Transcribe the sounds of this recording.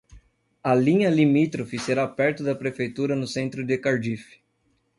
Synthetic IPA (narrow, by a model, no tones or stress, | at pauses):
ɐlĩɲɐlimit̪ɾofɪseɾapɛɾt̪ʊd̪ɐpɾefejt̪uɾɐnʊsẽnt̪ɾʊd̪ɪkaɾd͡ʒifɪ̥